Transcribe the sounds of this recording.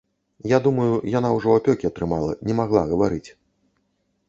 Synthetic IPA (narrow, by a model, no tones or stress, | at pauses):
jad̪umɐjujan̪awʐɔapʲɔkʲiɐt̪ɾɨmalˠɐ̰nʲɛmaɣlˠaɣɐvaɾɨt͡sʲ